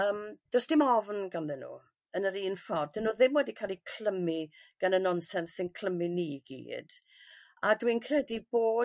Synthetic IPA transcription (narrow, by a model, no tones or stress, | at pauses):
əːmd̥ɔsd̥ɪmɔvnɡanðɛnṵː | ənəɾiːnfɔdənːuːðɪmwɛdikʰalˠikʰl̥əmiɡ̥anənɔnsɛnsɪnkʰl̥əminiɡ̥ḭːd̥ | adwinkʰrɛdiboː